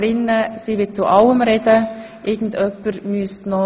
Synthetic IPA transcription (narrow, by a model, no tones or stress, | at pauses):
ɾɪnːəsiːʋɪt͡suʔɑwəmɾɛd̥ə | ʔɪɡn̩dœpːəɾmyːstnɔ